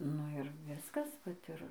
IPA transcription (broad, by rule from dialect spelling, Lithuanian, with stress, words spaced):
ˈnʊ ɪr ˈʋʲɪskɐs ˈʋɐt ɪr